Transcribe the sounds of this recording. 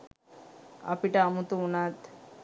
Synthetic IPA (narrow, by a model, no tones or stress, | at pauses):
a̰piʈaːmut̪uunat̪